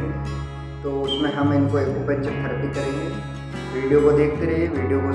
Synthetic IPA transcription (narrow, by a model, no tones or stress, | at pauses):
t̪oːʊsmẽɦɐmɪnkoeːkoːpə̃nt͡ʃekʰɐɾt̪ikɐɾẽŋɡe | ʋiːɖijokod̪eːk̚ʰt̪eɾeeʋiːɖijoko